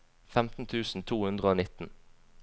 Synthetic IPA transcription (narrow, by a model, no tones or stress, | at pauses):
fɛmt̪n̩t̪ʰʉːsn̩t̪ʰuːhʉnd̪ʁəoːnɪt̪n̩